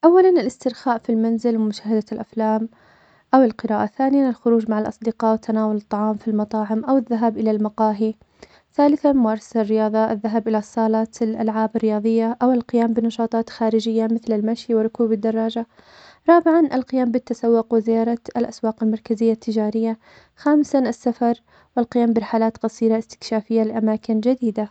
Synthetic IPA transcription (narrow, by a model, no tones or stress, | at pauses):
ʔawːalanɪlɪst̪ɪɾxaːʔfilmanzɪlwɪmʊʃaːhɪd̪alʔaflaːm | ʔawɪlqɨɾaːʔaθaːnɪjanɪlxʊɾuːd͡ʒmaʕalʔɑ̰sˤd̪ɪqɑːʔwɪt̪ʰːanaːwʊlɨt̪ˤːɑʕɑːmfilmɑt̪ˤɑːʕɪmʔawɪðːaɦaːbʔɪlalmɑqɑːɦi | θaːlɪθamʊaɾˤsrːɪjɑːðˤɑʔɪ̰ðːaɦabʔɪlasˤːɑːlɑːt̪lʔa̰lʕaːbɪrːɪjɑːðˤɨjːaʔawɪlqɪjaːmbɪnɑʃɑːt̪ˤɑːt̪xaːɾɪd͡ʒɪjːamɪθlɪlmaʃjwɪrˤʊkuːbɪd̪ːɑrˤːɑːd͡ʒa | ɾˤɑːbɪʕanʔalqɪjaːmbɪt̪ːasawːʊqwɪzɪjɑːɾˤɑalʔaswɑːqɪlmɑɾˤkazɪjːat̪ʰːɪd͡ʒaːɾɪjːa | xaːmsaasːafɑɾˤ | wɪlqɪjaːmbɪɾˤɪħalaːt̪qɑsˤiːɾaʔɪst̪ɪ̥kʃaːfɪjːalɪʔamaːkɪnd͡ʒad̪iːd̪a